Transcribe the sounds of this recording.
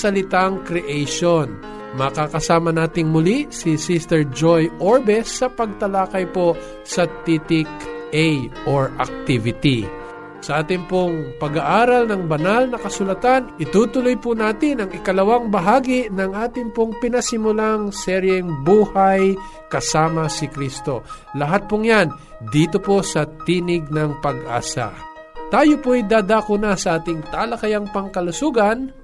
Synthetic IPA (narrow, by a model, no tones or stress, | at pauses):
sɐlɪt̪aŋkɾɛʔejʃon | mɐkakɐsaːmɐnaːt̪ɪŋmʊlisisist̪ɛɹd͡ʒojʔoɹbɛsːɐpɐɡ̚t̪ɐlaːkɐjpoʔ | sɐt̪it̪ɪkʔɛjʔoɹɐ̰k̚t̪ivɪt̪ḭ | sɐʔaːt̪ɪŋpoŋpɐɡaʔaːɾɐlnɐŋbɐnalnɐkɐsʊlɐt̪anʔɪt̪uːt̪ʊlojpʊnaːt̪ɪnɐŋɪkɐlɐwaŋbɐɦaːɡɪnɐŋʔaːt̪ɪŋpoŋpɪnɐsɪmʊlaŋsɛɾjɛŋbuːhaj | kɐsaːmɐsɪkɾist̪o̞ | lɐɦat̪̚pʊŋjan | d̪iːt̪opo̞sɐt̪iːnɪɡ̚nɐŋpɐɡʔa̰ːsa̰ | t̪aːjopoajd̪aːd̪aːkʊnasɐʔaːt̪ɪŋt̪aːlɐkɐjaŋpɐŋkɐlʊsuɡɐn